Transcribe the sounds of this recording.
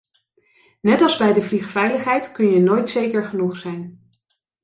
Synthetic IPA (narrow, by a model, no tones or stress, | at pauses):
nɛtɑlˠzbɛjdəvliχfɛjləχɦɛjtkɵnjənojtsejkəɹχənuχsɛjn